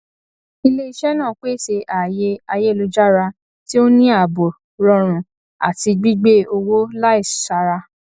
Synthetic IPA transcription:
i˧le˦i˧ʃɛ˦nã˦˨k͡pe˦ʃe˧ʔa˨je˧a˧je˦˨lo˧d͡ʒa˦ɾa˧ | ti˦o˦nĩ˦a˦˨bo˨ | ɾɔ˧ɾ̃ũ˨ | a̰˨ti˧ɡ͡bi˦ɡ͡be˦o˧wo˦la˦i˦˨ʃa˧ɾa˧

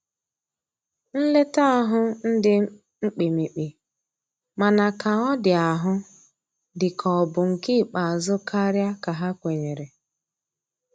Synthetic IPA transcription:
n̩˦le˦ta˦a˦ɦʊ˦n̩˦dɪ˦ | ŋ͡m̩˦k͡pi˨mi˨k͡pi˨ | ma˨na˨ka˨ɔ˦dɪ˨a˨ɦʊ˦ | dɪ˨kʰɔ˨bʊ˨ŋ̩˨kɪ˦˨k͡pa˨a˨zʊ˦ka˦ɾja˦ka˨ɦa˦kʷe˨ɲe˨ɾe˨

